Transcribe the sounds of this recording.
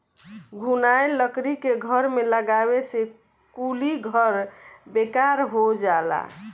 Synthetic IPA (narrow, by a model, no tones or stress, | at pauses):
ɡʱunajləkɾikeɡʱəɾmeləɡabese | kuliɡʱəɾbekaɾɦod͡ʒala̰